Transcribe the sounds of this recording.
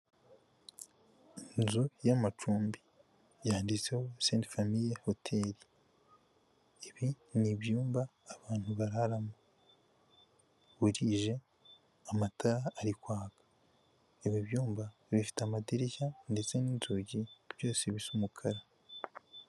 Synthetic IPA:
inzujamat͡ʃuːmbi | jaːndit͡se̞hoseːntfamiɾehotʰeːɾi | eβi | niβjuːmbaːβaːn̥huβaɾaɾamu | βuɾiːʒe̞ | amataɾaːɾikwaːɡḁ | eβiβjuːmbaβifi̥tamatiɾiçandet͡seniːnzuɟiβ̥jo̞ːseβisumukʰaɾa

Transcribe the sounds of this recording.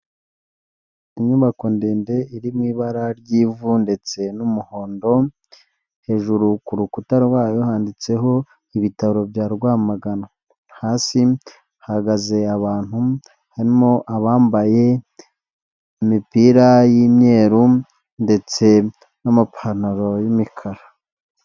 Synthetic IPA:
iɲuβako̞ndeːnde̞iɾimŋiːβaɾaɾɟiːvunde̞t͡se̞numuho̞ːndo̞ | he̞ːʒuɾukuɾukutaɾwaːjo̞haːndit͡se̞ɦo̞ | iβitaɾo̞bjaːɾɡwaːmaɡana | haːsi | hahaɡaze̞aβaːn̥hu | haɾimo̞ʔaβaːmbaje̞ | imipiɾajimɲe̞ːɾu | nde̞t͡se̞ | namapʰanaɾo̞jimikʰaɾa

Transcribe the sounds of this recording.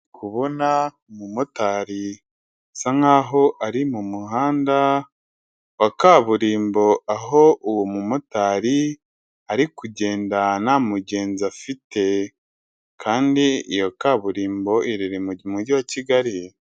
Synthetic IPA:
kʰuβo̞na | mumotaɾi | saŋaːɦo̞ʔaɾimumuhaːnda | wakaβuɾiːmbo̞aɦo̞ʔuwomumotaɾi | aɾikuɟe̞ːndanamuɟe̞ːnzafite̞ | kʰaːndiḭjo̞kaβuɾiːmbo̞ʔiɾiɾimumuɟiwaciɡaɾi

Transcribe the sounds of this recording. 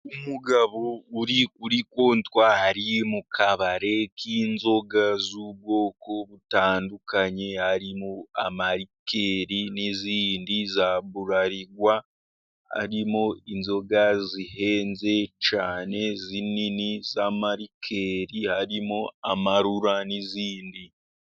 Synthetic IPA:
umuɡaβouɾikuɾikoːntwahaɾimukʰaβaɾe̞kʰiːnzo̞ɡazuβwo̞ːkoβutaːndukaɲehaɾimoa̰maɾikʰeɾiniziːndizaβuɾaɾiɡwa | ha̰ɾimoinzo̞ɡazihe̞ːnze̞t͡ʃaːne̞zininizamaɾikʰe̞ɾihaɾimoamaɾuɾaniziːndi

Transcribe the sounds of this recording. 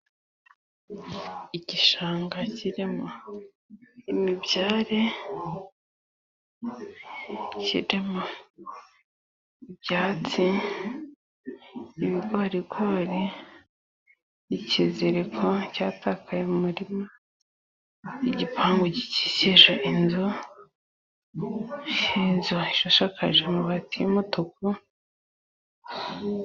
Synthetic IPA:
iɟiʃaːŋɡaciɾemo | imibjaːɾe | cḭɾemo | ibjaːt͡si | iβiɡoɾiɡoɾe | jicizeɾekʰocaːtʰakʰajemumuɾimo | iɟipʰaːŋɡoɟici̥siʒoʔinzo | ʃiːnzoiʃoʃakaʒemuβatiimutoku

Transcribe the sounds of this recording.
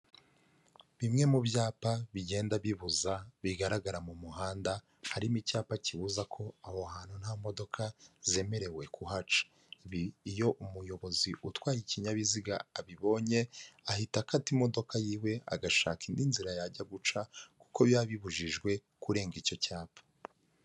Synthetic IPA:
βimŋe̞mubjaːpaβiɟeːndaβiβuzaβiɡaɾaɡaɾamumuɦaːnda | haɾimicaːpaciβuzakʰo̞ahohaːn̥hun̥hamo̞do̞kʰaze̞me̞ɾe̞we̞kʰuɦat͡ʃḁ | βiːjo̞ʔumujo̞βo̞ziʔutwaːjiciɲaβiziɡa̰aβiβo̞ːɲe̞ahitakatimo̞do̞kʰajiːwe̞a̰ɡaʃa̰ːkindinziɾajaɟaɡut͡ʃaku̥koβjaβiβuʒiʒɡwe̞ | kuɾe̞ːŋɡico̞caːpʰḁ

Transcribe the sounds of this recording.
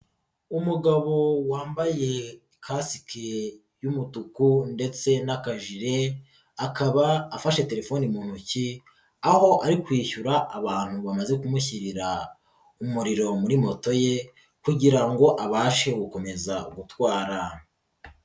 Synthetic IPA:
umuɡaβo̞waːmbaje̞ | kʰasi̥kʰe | jumutukunde̞t͡se̞nakaʒiɾe̞ | akaβaːfaʃe̞te̞ɾe̞fo̞nimuːn̥huci | aho̞ʔaɾikwiːçuɾaʔːβaːn̥huβamaze̞kumuçiɾiɾa | umuɾiɾo̞muɾimo̞to̞je̞ | kuɟiɾaŋɡo̞ʔaβaːʃe̞ɡuko̞me̞zaṵɡutwaːɾa

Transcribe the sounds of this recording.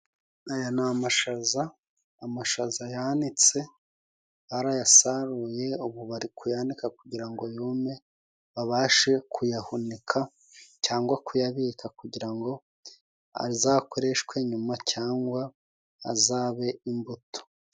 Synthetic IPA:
ajonamaʃazaː | maʃazajanit͡se̞ | βaɾajasaɾuje̞uβuβaɾikujanikakuɟiɾaŋɡo̞joːme | βaβaːʃe̞kʰujahunikʰa | caːŋɡwakujaβikakuɟiɾaŋɡo̞ | a̰ɾizakʰo̞ɾe̞ʃkwe̞ɲumacʰaːŋɡwa̰ː | zaːβe̞imbuto̥

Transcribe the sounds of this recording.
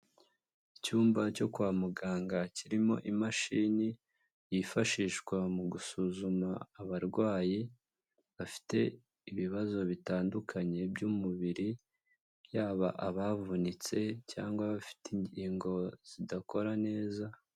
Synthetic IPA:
icuːmbaco̞kuwaːmuɡaːŋɡaciɾimo̞̰ʔimaʃiːni | jifaʃiʃkwamuɡusuzumaːβaɾɡwaːji | βafi̥te̞ | iβiβazo̞βitaːndukʰaɲe̞bjumuβiɾi | jaːβaʔaβavunit͡se̞ca̰ːŋɡwaβafi̥tiɲɟiːŋɡo̞z̥idako̞ɾane̞ːza

